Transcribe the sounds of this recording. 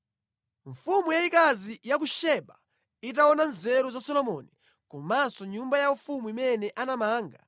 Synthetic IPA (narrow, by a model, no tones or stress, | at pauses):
ɱfumujaikazijak̬uʃɛɓa | it̬aɔnanzɛɾuzasɔlɔmɔni | kumansɔɲumbajaufumuimɛnɛʔanamaːŋɡa̰